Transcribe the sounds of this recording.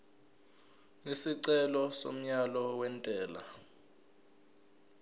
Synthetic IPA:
isiǀɛlɔso̰m̩ɲalɔwɛntʼɛːla̰

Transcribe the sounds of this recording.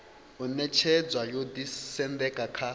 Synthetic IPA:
unɛt͡ʃʰɛd͡zwajodisɛnd̪ɛkʼakʰa

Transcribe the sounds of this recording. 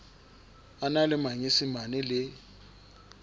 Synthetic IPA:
analɪmaɲɪsɪmanɪlɪ

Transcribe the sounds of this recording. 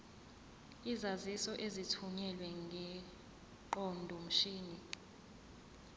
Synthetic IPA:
izazisɔʔezitʰuɲɛlwɛŋɡʱɛ | ǃɔndʱɔm̩ʃiːni

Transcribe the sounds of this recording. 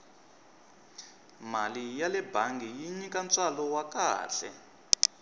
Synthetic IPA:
malijalɛbʱaŋɡʱijiɲikant͡salɔwaka̰ːɬɛ̰

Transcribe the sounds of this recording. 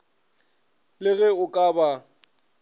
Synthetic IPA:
lɪɣɛʊkʼaba

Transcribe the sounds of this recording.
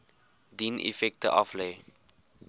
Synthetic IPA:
dinʔḭfɛk̚tə̰ʔɑfle

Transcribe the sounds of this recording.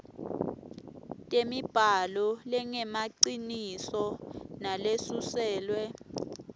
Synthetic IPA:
tʼemib̥ʱalɔlɛŋɛmaǀinisɔnalesusɛːlwɛ

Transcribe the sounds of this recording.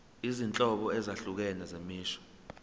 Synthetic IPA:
izint͡ɬʼɔɓɔɛzaɬuk̬ɛnɛzemiːʃɔ̥

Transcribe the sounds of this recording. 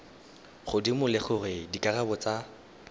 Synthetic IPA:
χʊdimʊlɪχʊrɪdikʼarabɔt͡sa

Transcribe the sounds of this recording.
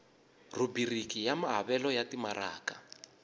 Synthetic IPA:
rubirikijamaɦaβɛlɔjatimara̰ːka

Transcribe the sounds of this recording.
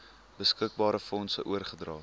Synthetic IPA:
bəskək̚bɑːɾəfɔnsə̰ʔuərχədrɑː

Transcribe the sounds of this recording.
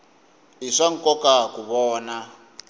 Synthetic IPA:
ɦiʂaŋ̩kɔkakuβɔːna

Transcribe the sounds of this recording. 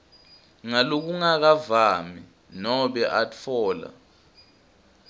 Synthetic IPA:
ŋalok̬uŋak̬avaːmi | nɔɓɛʔatfʰɔːla̰

